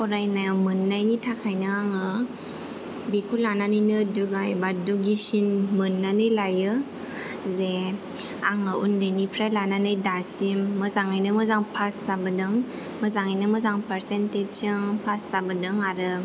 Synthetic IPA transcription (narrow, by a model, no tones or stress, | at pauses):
kɔɾajnamɯnːajnitʰakʰajnɯaŋɯ | bikʰulananɯnɯduɡajbaduɡisinmɯnːanɯjlajɯ | ze | aŋɯʔundajnipʰɾajlananɯjdasimːɯzaŋajnɯmɯzaŋpʰasabɯdɯŋ | məzaŋajnɯməzaŋpəɾsented͡ʒsɯŋpʰasːabɯdɯŋaɾɯ